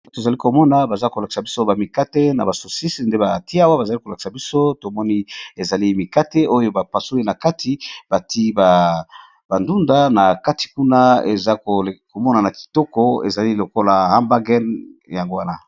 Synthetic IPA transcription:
to˨za˨li˦ko˨mɔ˦na˨ba˨za˦ko˨la˨ki̥˨sa˨bi˦so˦ba˨mi˨ka˦te˦na̰˨ba˨so˨si˦snde˦ba˨ti˦a˦wa˦ba˨za˨li˦ko˨la˨ki̥˨sa˨bi˦so˦to˨mɔ˦ni˦e˨za˨li˦mi˨ka˦te˦o˦jo˦ba˨pa˨so˦i˦na˨ka˦tʰi˨b̥a˨ti˦ba˨ | b̥a˨ndu˦nda˦na˨ka˦ti̥˨ku˦na˦ḛ˨za˦o˨ko˨mɔ˦na˨na˨ki̥˨tɔ˦kɔ˦ḛ˨za˨li˦lo˨ko˦la˨ha˦mba˦ɡɛ˦nja˨ŋɡo˦wa˦na˦

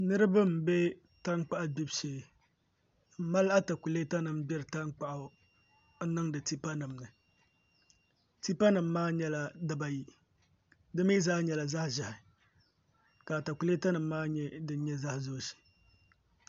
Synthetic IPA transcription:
nɨ˦ɾɨ˦ba˦m̩˨bɛ˦ | ta˦ŋk͡pa˦ʔbi˦bʃe˨˦ | ma˦la˦ta˨ku˨le˦ta˦nɨ˨mbɛ˦ɾɨ˨ta˦ŋk͡pa˦ʔa˨ | n̩˦nɨ˦ŋdɨ˨ti˦pa˦nɨ˨mnɨ˨ | ti˦pa˦nɨ˨mːaː˦ɲɛ˦la˨dɨ˦ba˨ji˦ | dɨ˦mi˦zaː˦ɲɛ˨la˨za˦hʒa˨hɪ˨ | ka˨ta˨ku˨le˦ta˦nɨ˨mːaː˦ɲɛ˦dɨ˦n˦ɲɛ˦za˦hzo˦˨ʃi̥˨

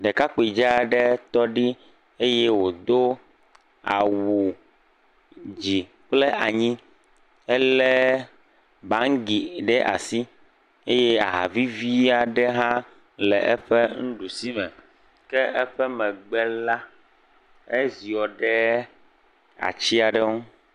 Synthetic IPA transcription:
ɖɛ˨ka˦k͡po˨i˨d͡ʒa˦˨ɖɛ˦t̪ɔ˦ɖi˦ | e˦jɛ˦wo˨d̪o˦ | a̰˨wu˨ | d͡ʑi˨ | k͡plɛ˦ʔa˨ɲĩ˦ | ɛ˦lɛ˦ | bã˨˦ŋɡi˨ɖɛ˦ʔa̰˨si˦ | e˦jɛ˦a̰˨ɦa̰˨vi˦vi˦a˨ɖɛ˦ɦã˦ | lɛ˨ʔɛ˦ɸɛ˦ŋ̩̃˦ɖu˨si˦mɛ̰˨ | kɛ˦ʔɛ˦ɸɛ˦mɛ̃˨ɡ͡bɛ˦la˦ | ɛ˦zi˨ɔ˨ɖɛ˦ | a̰˨t͡ɕi˦a˨ɖɛ˦o˦

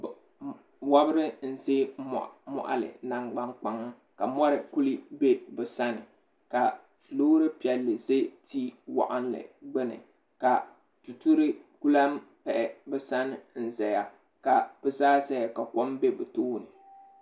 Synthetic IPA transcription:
wa˦bɨ˦ɾɪ˦n̩˨ze˦m̰˨mɔ̰˨ʔa̰˨lɨ̰˨na˦ŋɡ͡ba˦ŋk͡pa˦ŋ˦ | ka˨mɔ˦ɾɨ˨ku˦li˦be˦bɛ˨sa˦nɨ˨ | ka˨ | loː˦ɾɨ˦pi˨ɛ˨lːɨ˨ze˦tiː˦wa̰˨ʔa˦n˦lɨ̰˨ɡ͡bɛ˦nɨ̰˨ | ka˨ | tu˨tu˦ɾɨ˦ku˦la˦mpɛ˨ʔɛ˨bɛ˦sa˦nɨ˨n̩˨zɛ˨ja˦ | ka˨b̥ɨ˦zaː˦zɛ˦ja˨ka˨kɔ˦mbe˦bɨ˨toː˦˨nɨ˨

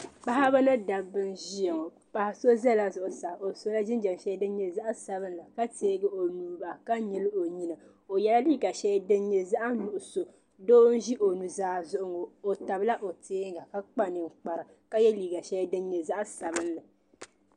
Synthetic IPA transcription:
k͡pa˦ha˦ba˦nɨ˦da˨bɨ˦nʒi˦e˨ŋo˨ | pa˨ha˨so˦zɛ˦la˨zʊ˨ʔʊ˨sa˨o˨so˦la˦ʒɪ˦n˦d͡ʒa˨m˨ʃɛ˦dɨ˦n˦ɲɛ˨za˦ʔsa˨bɨ˦n˦la˨ka˦teː˦ɡɨ˦o˨nuː˨ba˨ka˦ɲɛ˦lɨ˦o˨ɲi˦nɨ˨ | o˨jɛ˦la˦liː˦ɡa˨ʃɛ˦dɨ˦nɲɛ˨za˦ʔa˦nu˨ʔʊ˨so˨ | doː˦n̩˦ʒi˦ʔo˨nu˨zaː˦zʊ˦ʔʊ˦ŋo˨o˨ta˨bla˦ʔo˨teː˦ŋ˦ɡa˨ka˦k͡pa˦nɨ˨ŋ̩˨k͡pa˨ɾɨ˨ | ka˦jɛ˦liː˨ɡa˨ʃɛ˦dɨ˦n˦ɲɛ˨za˦ʔsa˨bɨ˦n˦lɨ˨

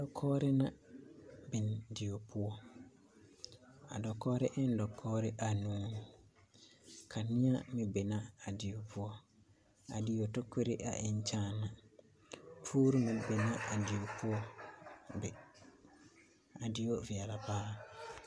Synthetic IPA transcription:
dɔ˨kʰɔː˦ɾɪ˦na˨ | bɪ˨ndɪ˨jo˨pʰʊ˦ɔ˦ | a̰˨dɔ˨kɔː˦ɾɪ˦ʔɪ˦n˦dɔ˨kʰːɔː˦ɾɪ˦ʔa˨nũː˦˨ | kʰa˨nɪ̃˦a̰˦mɪ˨be˨na˦a˨dɪ˨jo˨pʊ˦ɔ˦ | a̰˨dɪ˨jo˨to˦ke˦ɾɪ̰˦ʔa̰˨ʔɪ˨ɲ˦t͡ʃaː˦na˨ | pʰuː˦ɾu˦mɪ˨be˨na˦a˨dɪ˨jo˨pʰʊ˦ɔ˦˨ | bɪ˨ | a˨dɪ˦jo˦vi˨ɛ˨la˨paː˦

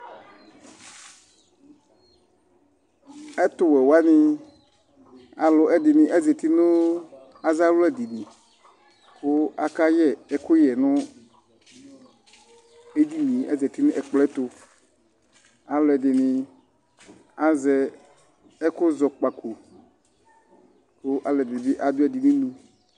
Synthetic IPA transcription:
ɛ˦t̪ʊ˦wɛ˨wa˦nɪ̃˨ | a˨lʊ˨ʔɛ˦dɪ˨nɪ̃˨ʔɛ˦zɛ˨t̪i˦nʊ̃˦ | a˨za˦lʊ˦ɛ˨di˨nĩ˨ | kʊ˦a˦ka˦jɛ˦˨ɛ˦kʊ˦jɛ˨nʊ̃˦ | e˦d̪i˦nĩ˨ɛ̰˦zɛ˨t̪i˦nʊ̃˦ʔɛ˨k͡plɛ˦t̪ʊ˨ | a˨lʊ˦ɛ˨dɪ˨nɪ̃˨ | a˨zɛ˦ | ɛ˦kʊ˦zɔ˨k͡pa˨ku˨ | kʊ˦ʔa˨lɛ˨bi˨bɪ˦ʔa˨d̪ʊ˦ɛ˨dɪ˨nĩ˦nũ˦

